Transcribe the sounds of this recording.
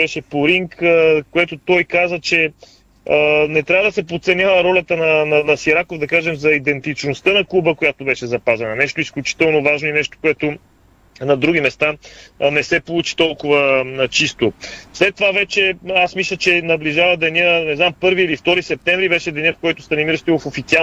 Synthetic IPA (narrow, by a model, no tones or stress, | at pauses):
bɛʃɛpoɾiŋkkoɛt̪ot̪ɔjkazət͡ʃɛ | ənɛt̪ɾʲavəd̪ɐsɛpot̪sɛnʲjavˠəɾɔlʲɐt̪ənɐnɐnɐsiɾakovd̪ɐkaʒɛmzɐid̪ɛnt̪it͡ʃnost̪ənɐkˠubəkojat̪obɛʃɛzɐpazɐnɐnɛʃt̪oisklʲut͡ʃi̥t̪ɛlˠnovaʒnoinɛʃt̪o̥koɛt̪o | nɐd̪ɾuɡ̟ʲimɛst̪anɛsɛpolˠut͡ʃi̥t̪ɔlˠkʊvət͡ʃist̪oslɛt̪ːovavɛt͡ʃɛasmislʲət͡ʃɛnɐbliʒavəd̪ɛniənɛznampɤɾviilift̪ɔɾisɛp̚t̪ɛɱvɾibɛʃɛd̪ɛnʲiəfkɔjt̪ʊsɐnimiɾəʃt̪ivofofit̪sia